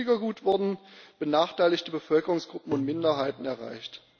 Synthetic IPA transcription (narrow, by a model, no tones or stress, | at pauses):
iɡɐɡuːtv̥ʊɐdn̩b̥ənaːχtʰaɪlɪçtəbəfœlkəʁʊŋsɡ̥ʁʊpm̩ʊntmɪndɐɦaɪtn̩ɛɐʁa̰ɪçt